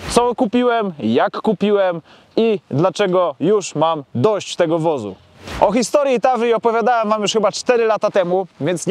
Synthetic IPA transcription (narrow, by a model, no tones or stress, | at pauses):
t̪sɔkupʲiwɛmjakːupʲiwɛm | id̪lat͡ʂɛɡɔjuʂmamd̪ɔɕt͡ɕt̪ɛɡɔvɔzṵ | ʔɔxʲist̪ɔɾjit̪aʐɘiɔpɔvʲjad̪awɛmvamjuʂxɘbat͡ʂt̪ɛɾɘlat̪at̪ɛmuvʲjɛnt̪sɲ